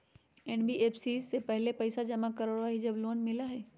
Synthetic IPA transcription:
eːnbiʔeːpsiːsːepɛɦlepɐɪsad͡ʒɐmakɐɾoɾaɦid͡ʒɐbloːnmɪlaɦeː

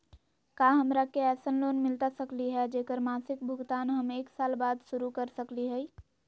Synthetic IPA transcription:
kaːɦəmɾakeɛːsənloːnmɪlt̪asəkliɦɛd͡ʒeːkəɾmaːsɪk̚bʱʊɡt̪aːnɦəmeːksaːlbaːd̪ʃʊɾukəɾsəkliɦɛi

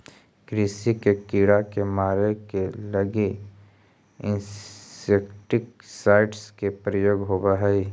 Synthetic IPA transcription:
kɾisikekiːɽakemaːɾekelɐɡe | ɪ̃nsekʈɪksaːɪʈskepɾəjoːɡɦoːbaɦɛi

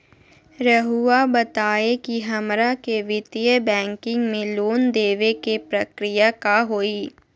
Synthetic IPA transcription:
ɾəɦuabɐt̪aːekiɦɐmɾakeʋɪt̪ijəbɛ̃ːŋkɪ̃ŋɡmẽloːnd̪eːʋekepɾɐkɾɪjakaɦoːiː

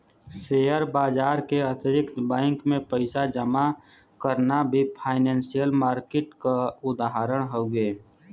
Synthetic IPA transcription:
seːjəɾbaːd͡ʒaːɾkeət̪ɪɾɪkt̪bɛ̃ːŋkmẽpəɪsad͡ʒəma | kəɾnabʱipʰaːɪnɛ̃ːnsijəlmaːɾkeʈkaʊd̪aɦaɾəɽ̃ɦoːɡeː

